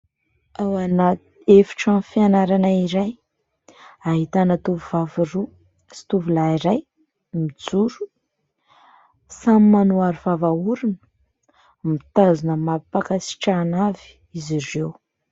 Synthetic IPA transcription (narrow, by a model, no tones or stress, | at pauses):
awana | efi̥ʈ͡ʂanfianaɾanaiɾaj | aɦit̪anət̪uvuvaviɾu | si̥t̪uvulaiɾaj | mid͡zuɾu̥ | samimanuaɾuvavauɾunə̥ | mit̪azunəmapakasi̥ʈ͡ʂanavi̥ | izirew